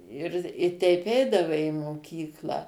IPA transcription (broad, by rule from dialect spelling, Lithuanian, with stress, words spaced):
ɪr ɪ ˈtʲɛɪp ˈɛɪdɐʋɐɪ ɪ moːˈkʲiːklˠɑː